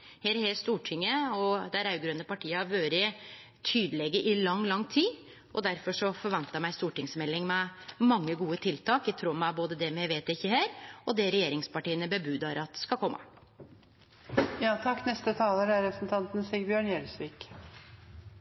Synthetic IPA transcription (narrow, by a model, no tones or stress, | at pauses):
heːɾheːst̪uːʈʰɪŋːəɔd̪æɾɑʉɡɾønəpɑʈʰiːəɑʋøːɾə | t̪ʰyːd̪əlɛɡəʔɪlɑŋːlɑŋːt̪ʰiː | ʔɔd̪æɾfɔʂɔfɔɾʋɛnt̪əmæɪst̪uːʈɪŋsmɛlːɪŋmɛmɑŋːəɡuːət̪ʰɪlt̪ʰɑːkæt̪ʰɾuːmæboːd̪əd̪ɛmjæɪʋeːt̪ɪçːəɦeːɾɔd̪ɛɾɛjeːɾɪŋspɑʈiːənəbəbʉːd̪ɑɾɑt̪̚skɑkʰɔmːʔɑ̰ | jɑːt̪ʰɑkːnɛst̪ət̪ʰɑːləɾæɾɾɛpɾsn̩t̪ʰɑnt̪n̩siɡbjøːɳjɛlsʋiːk